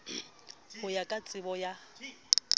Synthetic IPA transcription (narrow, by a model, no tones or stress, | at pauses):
hʊjakʼat͡sʼɪbɔja